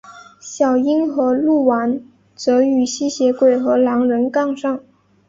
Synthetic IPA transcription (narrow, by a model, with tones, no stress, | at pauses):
ɕjɑ˨˩ʊi˥nxɤ˧˥lu˥˩wa˧˥n | t͡sɤ˧˥y˨˩ɕi˥ɕjɛ˧˥kwe˨˩ɪxɤ˧˥lɑ˧˥ŋɻə˧˥nkɑ˥˧ŋʂɑ˥˩ŋ